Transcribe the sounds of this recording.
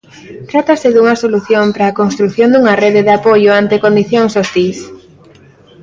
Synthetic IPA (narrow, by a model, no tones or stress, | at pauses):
t̪ɾat̪ɐsɪðuŋɐsoluθjompɾaːkonst̪ɾuθjond̪uŋɐreðeðapojoant̪ekond̪iθjoŋsost̪is